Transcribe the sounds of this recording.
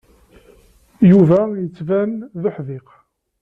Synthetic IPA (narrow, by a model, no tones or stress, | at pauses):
juvæjət͡sːvænðʊħðɪq